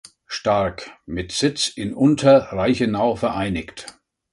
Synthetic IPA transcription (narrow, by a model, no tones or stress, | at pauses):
ʃtaɐkmɪtz̥ɪt͡sɪnʔʊntʰɐʁaɪçənaʊfɛɐʔaɪnɪkt